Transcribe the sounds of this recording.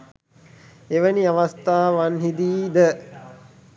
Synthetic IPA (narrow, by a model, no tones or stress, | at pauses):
eʋəniaʋast̪aːʋanɦid̪iːd̪ə